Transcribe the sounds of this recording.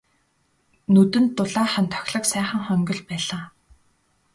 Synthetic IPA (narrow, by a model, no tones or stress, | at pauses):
nɵt̪ɘ̆nt̪ːʊɮaːχant̪ʰɔ̥xʲɮɞ̆ksæːχə̆ŋχœŋɡʲɞ̆ɮpæːɮaː